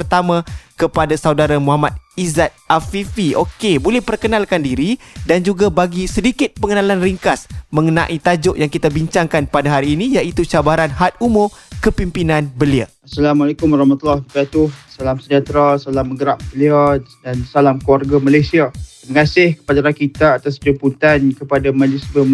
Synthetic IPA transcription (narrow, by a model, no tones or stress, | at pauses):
ərt̪amãkəpadasawdaɾamũɦamat̪̚izat̪̚afifiokebolɛhpərkənalkandiɾidand͡ʒuɡabaɡisədikɪt̪̚pəŋənalanriŋkasmə̃ŋənã̰ʔit̪ad͡ʒʊʔjaŋkit̪abiɲt͡ʃaŋkanpadaɦaɾiːnijaʔit̪ut͡ʃabaɾanɦat̪̚umorkəpimpinãnbəlia | asalamalakʊmaɾɑhmat̪ulahbəɡat̪ʊhsalamsəd͡ʒat̪ɾasalamːəɡəɾap̚bəliadansalamkuwarɡamalajsia | məŋasɪhkə̥padaɾakit̪aːt̪as̬pəɾimput̪ankəpadamãd͡ʒisbə